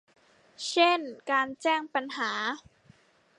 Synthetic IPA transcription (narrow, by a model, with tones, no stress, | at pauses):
t͡ɕʰe˥˩nkaː˧nt͡ɕɛː˥˩ŋpa˧nɦaː˩˦